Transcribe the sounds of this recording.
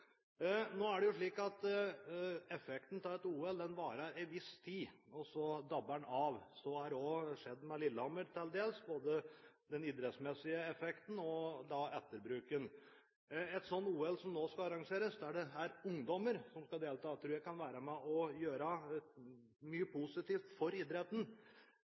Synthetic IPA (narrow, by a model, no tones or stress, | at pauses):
noːæɖɛjʊʂɭiːkɑt̪ | ɛfɛkt̪n̩t̪ʰɑɛt̪uːɛld̪ɛnʋɑːɾəɾɪʋɪst̪ʰiːɔsɔd̪ɑbːənɑʋsɔæɾɔʂɛd̪ːmɛlɪlːəɔməɾt̪ʰɪld̪eːlsboːd̪əd̪ɛnid̪ɾɛt̪smɛsːɪəɛfɛkt̪n̩ɔd̪ɑɛt̪ːəɾbɾʉːkən | ɛt̪sɔnt̪uːɛlsɔmnoːskɑɑɾɑŋʂeːɾəsd̪æɖɛæɾʊŋd̪ɔməɾsɔmskɑd̪eːlt̪ʰɑːt̪ʰɾʉːɾjæɪkʰɑnʋæːɾəmɛʔɔjøːɾə | myːəpʰʊsɪt̪iːft̪fɔɾɪd̪ɾɛt̪ən̩